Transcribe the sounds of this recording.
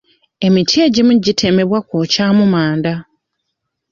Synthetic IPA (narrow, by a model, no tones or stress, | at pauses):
e̞mitʰje̞ɟimuɟitʰe̞me̞βwakoːcaːmumaːnda